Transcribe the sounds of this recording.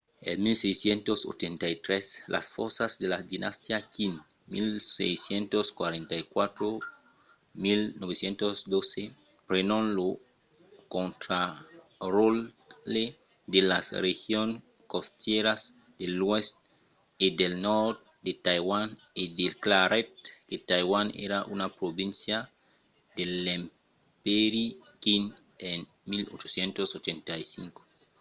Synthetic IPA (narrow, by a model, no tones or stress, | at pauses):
ḛlmilsejsjent̪oso̰t͡ʃent̪ajt̪ɾeslʔa̰sfoɾsazd̪elad̪inʔast̪jakin | milsḛjsjent̪oskwa̰ɾẽnt̪ajkwat̪ɾo | milnoβesjent̪osd̪ose | pɾenõnlo | kont̪ɾa | rol | e | d̪elasrexjon | kost̪jeɾas | d̪̥elwest̪̚ | ed̪elnɔɾd | d̪et̪ajwan | ed̪elklaɾet̪̚ket̪ajwanḛɾaʔunapɾobĩnsja | d̪elem | peɾikin | en | milot͡ʃosjent̪osot͡ʃẽnt̪ajsiŋko̥